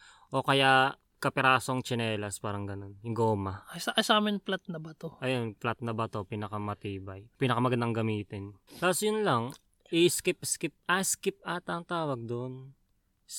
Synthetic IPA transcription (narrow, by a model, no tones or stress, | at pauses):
ʔo̞kɐja | kɐpɪɾaːsoŋt͡ʃɪnɛːlɐspaːɾɐŋɡɐno̞njʊŋɡoːmɐasaʔɐsaːmɪnplat̪̚nɐbɐt̪oʔɐjonplat̪̚nɐbɐt̪o̞piːnɐkamɐt̪iːbɐjpiːnɐkɐmɐɡɐnd̪aŋɡɐmiːt̪ɪnt̪aːposjʊnlɐŋ | ʔɪskɪp̚skɪp̚ʔaskɪp̚ʔat̪ɐŋt̪aːwɐɡ̚d̪on